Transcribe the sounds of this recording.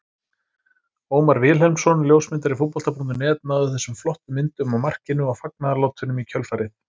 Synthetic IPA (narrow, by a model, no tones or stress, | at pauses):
oːwmaɾvɪːlɦɛlmsɔnljowsmɪnt̪̬aɾifut̪pɔl̥t̪apunt̪ʏnɛːt̪̚naːðʏθɛsːʏmflɔht̪ʏmɪnt̪ʏmawmar̥cɪnʏawfak̚naðalowt̪ʰvɪnʏmicʰœlfaɾɪt̪